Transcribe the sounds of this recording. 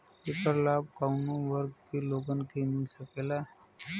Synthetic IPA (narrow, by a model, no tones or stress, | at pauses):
epəɾlaːb̚kaʊnoʋəɾɡkeloːɡənkemɪlsəkeːlaː